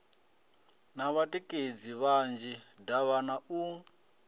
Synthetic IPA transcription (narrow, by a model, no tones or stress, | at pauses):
naβatʼikʼed͡ziβand͡ʒidaβanaʔu